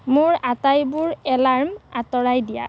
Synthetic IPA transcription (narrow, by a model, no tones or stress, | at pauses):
mʊɹatajbʊɹɛlaɹmatɔɹajdija̰